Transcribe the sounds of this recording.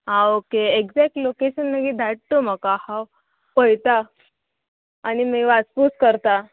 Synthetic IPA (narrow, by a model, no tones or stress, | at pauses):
ɦãokeeɡd͡zɛk̚ʈlokeɕənːəkid̪ʱaʈ̚t̪oməkahaw | pəjt̪a | nimiʋaspuskəɾt̪a